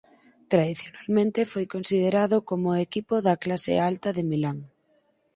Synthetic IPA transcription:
t̪ɾaðiθjonalmẽnt̪efojkonsið̞eɾaðokomʊekipoðɐklasḛalt̪ɐðemilaŋ

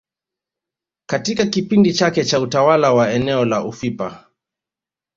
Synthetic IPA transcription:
katikakipindit͡ʃakɛt͡ʃautawalawaɛnɛɔlaʔufipa

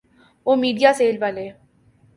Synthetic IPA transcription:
oːmiːɖijaːseːlʋaːleː

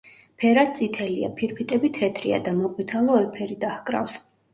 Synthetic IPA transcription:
pʰɛɾad̪̚sʼit̪ʰɛlia̰pʰiɾpʰit̪ʼɛbit̪ʰɛt̪ʰɾia̰d̪amɔqʼwit̪ʰalˠɔɔlˠpʰɛɾid̪ahkʼɾa̰fs

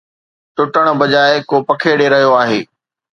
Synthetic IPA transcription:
ʈʊʈəɽ̃bɐd͡ʑaːɪkopɐkʰeːɽeɾɐɦijoaːɦeː

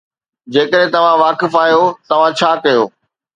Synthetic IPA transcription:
d͡ʑeːkəɾɦẽt̪ɐʋ̤ãʋaːkɪfaːjot̪ɐʋ̤ãt͡ɕʰaːkɐjoː

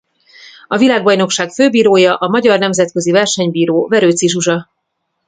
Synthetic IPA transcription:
ɒvilaːɡ̚bɒjno̞kʃaːkføːbiːɾoːjɒʔɒmɒɟɒrnɛmzɛt̪̚kø̞zivɛrʃɛɲbiːɾoːvɛɾøːt̪siʒuʒɒ

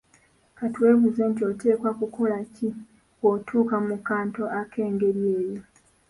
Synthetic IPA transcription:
katwe̞ːβuzeːntio̞te̞ːkwakukolaci | otʰuːkamukaːnto̞ʔakʰe̞ːŋɡe̞ɾjeːjo

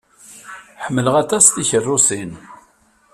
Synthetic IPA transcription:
ħəmːələʁæt̪æst̪içərːusin

